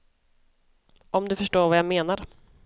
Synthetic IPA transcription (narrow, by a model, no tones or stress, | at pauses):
ɔmd̪ɵfœʂʈoːɾvajameːnaɾ